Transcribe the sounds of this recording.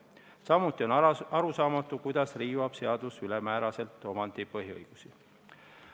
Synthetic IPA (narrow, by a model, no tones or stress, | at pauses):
sɑmut̪ːˑio̞nɑɾusɑːmɑt̪ːˑukujd̪̥ɑsriːvɑb̥se̞ɑd̪̥usylemæːɾɑse̞lt̪ːˑo̞mɑnd̪̥ipɤɦiɤ̰jɡ̥usi